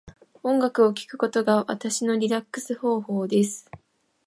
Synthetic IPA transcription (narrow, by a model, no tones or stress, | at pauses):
õ̞ŋɡakɯ̟o̞kʲi̥kɯ̟̥ko̞t̪o̞ɡaβa̰t̪aɕino̞ɾʲiɾakːɯ̟̥sɨho̞ːho̞ːd̪e̞sɨ̥